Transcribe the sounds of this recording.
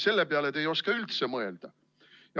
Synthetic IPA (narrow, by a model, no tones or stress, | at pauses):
se̞lːepeɑlet̪ːˑejo̞skɑylt̪se̞mɤe̞ld̪̥ɑ | jɑ